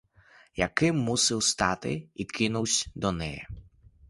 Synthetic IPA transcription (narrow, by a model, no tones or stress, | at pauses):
jɐkɪmːusɪwst̪ɑt̪ɪ̰id̪kʰɪnuwsʲd̪ɔnɛjɛ̰